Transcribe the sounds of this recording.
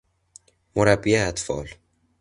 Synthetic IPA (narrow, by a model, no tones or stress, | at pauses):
moɾæbːieːt̪fɒ̰ːl